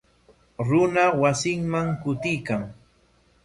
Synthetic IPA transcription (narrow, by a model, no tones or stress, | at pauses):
ɾʊnawasɪŋmaŋkʊt̪ɪjkaŋ